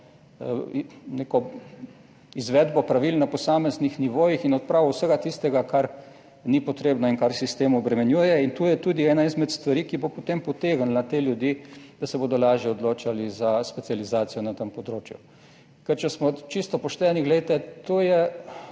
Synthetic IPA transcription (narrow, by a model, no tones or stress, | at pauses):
nekɔ | izʋɛd̪bɔpɾaʋilnapɔsaːmɛznixniʋoːjixinɔt̪̚pɾawuwsəɡat̪ist̪ɛɡakaɾ | nipɔt̪ɾeːbnɔinkaɾsist̪eːmɔbɾɛmɛnjujɛint̪ujɛt̪uːd̪iɛːnaizmɛt̪st̪ʋaɾikibopot̪empɔt̪eːɡənlat̪eljud̪jid̪̥asɛboːd̪ɔlaːʒjɛɔd̪loːt͡ʃalizaspɛt̪sializaːt̪sijɔnat̪əmpɔd̪ɾoːt͡ʃju | kɛɾt͡ʃɛsmɔt͡ʃist̪ɔpɔʃt̪ɛːniɡlet̪ɛt̪oːjɛ